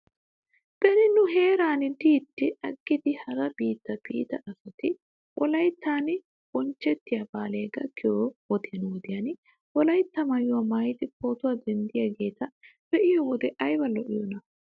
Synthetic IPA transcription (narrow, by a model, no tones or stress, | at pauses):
b̥ɛnɪnʊɦe̞ːɾaːnɪd̪iːt̪ːɪɐɡːɪd̪ɪhɐɾɐbiːt̪ːɐbḭːt̪ɐʔɐsɐt̪ɪ | wʔɔlɐjt̪ːaːnɪ | b̥ɔnt͡ʃːɛt̪ːɪjɐbaːleːɡɐ̰kɪjowɔt̪ɪjɐnɪwɔd̪ɪjɐnɪ | wɔlɐjt̪ːɐmɐjʊwɐmaːjɪt̪ɪpoːt̪ʊwɐd̪ɛnd̪ɪjɐɡeːt̪ɐbɛʔɪjɔwɔd̪ɛʔɐjbɐlːɔʔɪjɔnɐ